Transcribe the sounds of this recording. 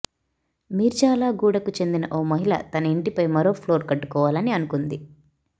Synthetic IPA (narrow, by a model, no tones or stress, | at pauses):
miːɾut͡ʃaːlaːɡuːɽɐkut͡ʃe̞nd̪inɐʔoːmɐɦilɐ̰t̪ɐnɐiɳʈipɐjmɐɾo̞ːpʰloːɾkɐʈːu̥kɔːʋaːlɐniɐnukund̪i